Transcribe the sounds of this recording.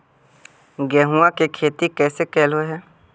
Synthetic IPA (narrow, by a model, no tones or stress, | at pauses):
ɡɛːɦuãkekʰeːt̪ikɛːsekɛːlɦoeɦɛː